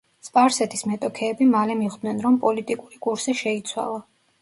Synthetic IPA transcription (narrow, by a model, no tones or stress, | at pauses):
spʼaɾsɛt̪ʰismɛt̪ʼɔkʰɛːbimalɛmiʁd̪nɛnɾɔmpʼɔlit̪ʼikʼuɾikʼuɾsiʃɛit̪sʰwa̰lˠa